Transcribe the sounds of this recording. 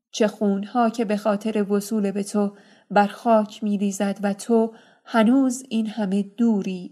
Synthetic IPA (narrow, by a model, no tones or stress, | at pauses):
t͡ʃʰe̞xuːnhɒːcʰe̞be̞xɒːt̪ʰe̞ɾe̞vosuːle̞be̞t̪ʰo | bæɾxɒːcʰmiːliːzæd̪væt̪ʰo | hænuːziːnhæme̞d̪̥uːɾiː